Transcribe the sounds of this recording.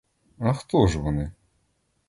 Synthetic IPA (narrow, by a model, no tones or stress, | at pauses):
ɐxt̪ɔʒʋɔnɪ